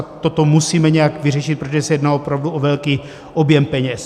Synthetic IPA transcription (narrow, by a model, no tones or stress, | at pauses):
t̪ot̪omusiːmɛɲɛjakvɪrɛʃɪt̪pɾot̪oɛsɛjɛdnalopɾavduʔovɛlkiː | ʔobjɛmpɛɲɛs